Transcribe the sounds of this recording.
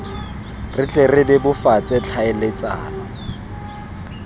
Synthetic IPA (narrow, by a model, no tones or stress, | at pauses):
rɪt͡ɬʼerɪbɪbʊfat͡sʼɪt͡ɬʰaɪlet͡sʼa̰ːnɔ